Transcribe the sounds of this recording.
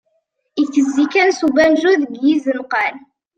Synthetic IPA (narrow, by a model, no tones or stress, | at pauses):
iθəzːikænsubænʒuðəɡjizənqɑl